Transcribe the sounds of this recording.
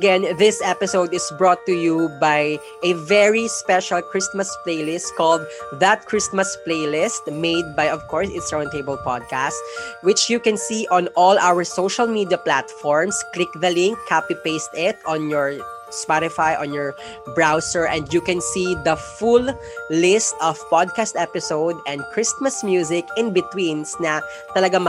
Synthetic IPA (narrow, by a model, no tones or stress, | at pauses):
ɐɡɛ̃nðɪsɛpɪsowd̪ɪsbɹɔt̪ːujubaj | ʔɛvɛɹispɛʃalkɹɪsmɐspleɪlɪst̪̚kɔld̪̚ðɐt̪̚kʰɹɪsmɐspleɪlɪst̪̚meɪd̪̚bajɔv̥kɔɹsɪt̪sɹãnt̪eɪbɛlpad̪̚kast̪wɪt͡ʃjukɛ̃nsiʔɔ̃nʔɔlawəɹsowʃɐlmid̪iɐplat̪fɔɹmsklɪk̚ðɐlɪ̃ŋkʰːapipeɪst̪ɪt̪ɔ̃njɔɹ | spaɾɪfajʔɔ̃njɔɹ | bɹawsɛɹʔɛ̃nd̪jukɛ̃nsid̪ɐfulː | ɪst̪ɔv̥pɔd̪̚kast̪ɛpɪsowd̪ɛ̃nd̪̚kʰɹɪst̪mɐsmjuːzɪkɪ̃nbɪt̪wĩnsnɐ | t̪ɐlɐɡam